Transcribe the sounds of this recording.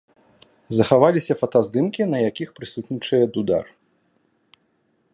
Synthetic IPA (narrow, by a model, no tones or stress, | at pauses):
zɐxavalʲisʲɐfɐt̪azd̪ɨmkʲinɐjakʲixpɾɨsut̪nʲit͡ʂɨjɛd̪ud̪a̰r